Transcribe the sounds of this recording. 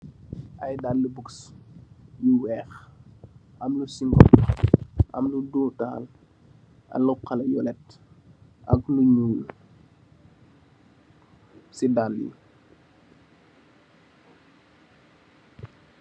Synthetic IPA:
ʔɐjdalːəbuks | juwɛːx | ʔɐmlusiŋɡɔ̰p | ʔɐ̰mluduːta̰ːl | ʔɐ̰lɔqɐlɐjɔlɛt | ʔɐkluɲuːl | sidaljḭ

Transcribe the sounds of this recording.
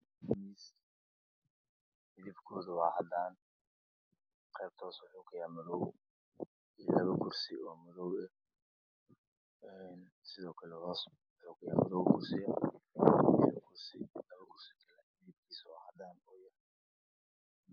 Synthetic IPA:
miːs | mɪðɪbkʰɔːðʊwɑːhɐd̪aːn | qɛjb̚t̪ʰɔːswʊħukʰɐjaːmɐðɔw | ilɐβɐkʰʊrsɪɔːmɐðɔwɛ | ɛn | sɪðɔːkʰɐlɛhɔs | wwʊħuːkʰɐjaːmɐðɔwkʰʊrsɪjɐ | ɪβkʰʊrsɪ̰lɐβɐkʰʊrsɪ̥kʰɐlɛɪðɪbkʰiːswɑ̰ːhɐ̰d̪aːnɔːjɐ

